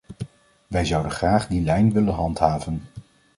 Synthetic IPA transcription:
ʋɛjzʌwdənχraːχdilɛjnʋɪlənɦɑntɦaːvən

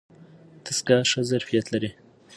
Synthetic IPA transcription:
t̪ʰəskaʂəzaɾfijat̪laɾi

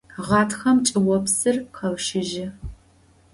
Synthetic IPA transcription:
ʁɑːtʰxɐmt͡ʃʼɪwɔpsɨrqʰɐvʃɪʒɪ

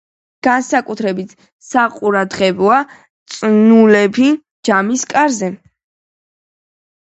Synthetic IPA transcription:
ɡ̥ansakʼut̪ʰɾɛbit̪ʰ | saqʼuɾad̪ʁɛbɔa | t̪sʼnulɛpʰi | d͡ʒamiskʼaɾzɛ

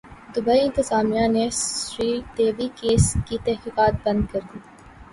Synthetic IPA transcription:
d̪ʊbəiɪ̃nt̪ɪzaːmijãnesɾiːd̪eːʋikeːskit̪ɛɦkiːqaːt̪̚bɐ̃nd̪kɐɾd̪iː

